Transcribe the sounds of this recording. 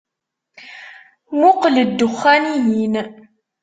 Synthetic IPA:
mʊqələd̪ːʊχːænijin

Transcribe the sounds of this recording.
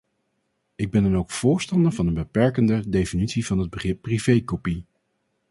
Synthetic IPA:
ɪɡ̚bɛndɑnowkfʊːɹstɑndəɹvɑnənbəpɛɹkəndədejfinitsivɑnɦəd̚bəχrɪpːrivejkopi

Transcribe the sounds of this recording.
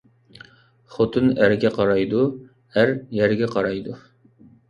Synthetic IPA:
χot̪ʰɨnæɾɡʲɛqʰɑɾɑjd̪u | æɾjɛɾɡʲɛqʰɑɾɑjd̪u

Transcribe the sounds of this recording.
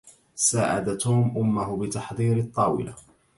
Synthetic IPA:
saːʕa̰d̪at̪uːmʔʊmːʊɦʊbɪt̪ɑħd̪ˤiːɾɪt̪ˤːɑːwɪ̰la̰

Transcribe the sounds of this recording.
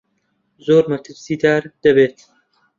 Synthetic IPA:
zoːɾmɐt̪ʰɨɾsiːd̪aːɾd̪̥ɐbeːt̪

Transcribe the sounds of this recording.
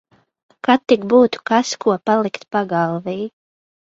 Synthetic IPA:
kat̪ːikbuːt̪u̥kaskʰuɔpalˠikt̪paɡalˠviː

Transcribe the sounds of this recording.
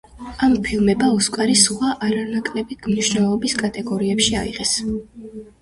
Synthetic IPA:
ampʰilˠmɛbaɔskʷʼaɾisaʔaɾanakʼlɛbit̪ʰmniʃnɛlˠɔbiskʼat̪ʼɛɡɔɾiɛpʃia̰ḭʁɛs

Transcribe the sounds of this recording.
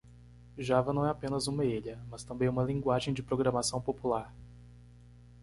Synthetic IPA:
ʒavɐnɐ̃w̃ɛapẽnɐzũmɐeʎɐmɐst̪ɐ̃mbẽj̃ũmɐlĩŋɡwaʒẽj̃d͡ʒɪpɾoɡɾɐmasɐ̃w̃populaɾ

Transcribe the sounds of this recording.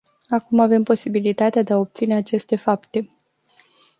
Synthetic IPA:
akumave̞mpo̞sibilit̪at̪ead̪eao̞p̚t̪sine̞at͡ʃe̞st̪e̞fapt̪e̞

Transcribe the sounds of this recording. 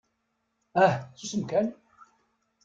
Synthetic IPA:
æhsusəmkæn

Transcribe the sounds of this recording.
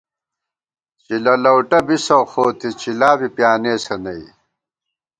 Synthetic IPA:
t͡ɕilɐlɐwʈɐbisɐwxoːt̪it͡ɕilaːbipjaːneːsɐnɐḭ

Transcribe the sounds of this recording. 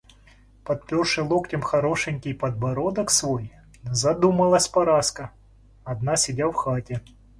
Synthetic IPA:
pɐt̪̚pʲɔrʂɨlˠoktʲɪmxɐɾoʂɨnʲkʲɪjpɐd̪̚bɐɾod̪ɐksvoj | zɐd̪umɐlˠɐsʲpɐɾaskɐ | ɐd̪nasʲɪdʲawxatʲɪ

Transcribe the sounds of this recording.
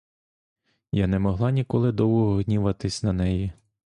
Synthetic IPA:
janɛmɔɦlˠɑnʲikɔlˠɪd̪ɔwɔɦɔɦnʲiʋɐt̪ɪsʲnɐnɛji

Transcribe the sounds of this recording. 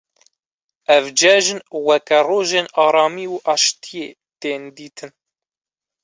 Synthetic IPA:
ɛvd͡ʒɛʒɨnwɛkɛroːʒeːnɑːɾɑːmiːuʔɑːʃt̪ijeː | t̪eːnd̪iːt̪ʰɨn

